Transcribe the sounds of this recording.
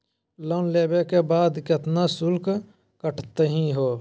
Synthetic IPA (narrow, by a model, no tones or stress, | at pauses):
lɔːnleːbekebaːd̪kɪt̪nasʊlk | kəʈʰt̪əɦĩɦoː